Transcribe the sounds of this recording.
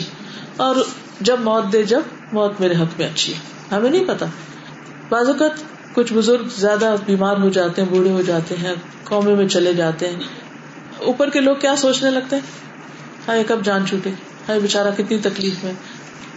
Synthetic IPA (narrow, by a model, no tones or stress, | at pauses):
ɔːɾ | d͡ʒɐbmɔːt̪̚d̪ed͡ʒɐb | mɔːt̪meːɾeɦɐkmẽɐtːʃʰiɦɛː | ɦɐmẽnɐɦĩpɐt̪a | baːzɐkət̪ | kʊt͡ʃʰbʊzʊɾɡzjaːd̪abiːmaːɾɦod͡ʒaːt̪eɦɛ̃buːɽeɦod͡ʒaːt̪eɦɛ̃ | kɔːmemẽt͡ʃɐled͡ʒaːt̪eɦɛ̃ː | uːpəɾkeloːɡ̚kjaːsoːt͡ʃnelɐɡ̚t̪eɦɛ̃ː | haːekɐb̚d͡ʒaːnt͡ʃʰuːʈe | haːibɪt͡ʃaːɾakɪt̪nit̪ɐkliːfmẽː